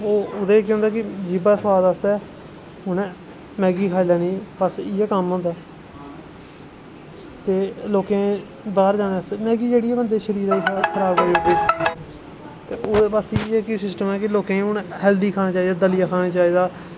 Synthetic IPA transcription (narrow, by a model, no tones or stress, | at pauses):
oːʊd̪eːkɦʊ̃ːnd̪aːkɪd͡ʒɪbaːsəwaːd̪aːst̪ɛː | ʊnː | mɛːɡiːkʰaːilaːnĩːbəsɪɛːkəmɦõːnd̪aː | t̪eːloːkẽː | baːɾd͡ʒaːneːst̪eːmɛːɡiːd͡ʒeːɽiːɛːbənd̪eːʃəɾiːɾaːiːkʰəɾaːbaːoiː | t̪eːʔoːeːpaːsiːɛkːsɪsʈəmɛːkɪloːkẽːʊnhɛːld̪iːkʰaːnaːt͡ʃaːiːd̪aːd̪əlɪjaːkʰaːnaːt͡ʃaːiːd̪aː